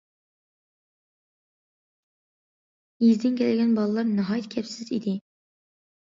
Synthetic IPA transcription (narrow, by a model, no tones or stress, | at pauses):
jizd̪ɪnkʲʰɛlɪɡʲɛnbɑlˠəlˠɑɾnɨɦɑjt̪kʲʰɛpsɪzḭd̪ɪ